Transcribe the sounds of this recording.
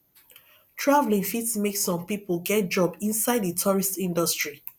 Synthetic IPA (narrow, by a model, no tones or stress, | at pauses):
tʰɹavlĩŋfitsmeksɔ̃mpiplɡɛt̚d͡ʒɔbĩnsaɪdðətʰuɹistĩndɔstɹi